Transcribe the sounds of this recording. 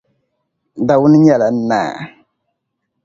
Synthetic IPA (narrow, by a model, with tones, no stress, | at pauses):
da˨wʊ˦nɨ˦ɲɛ˦˨la˨n̩˦na̰ː˦˨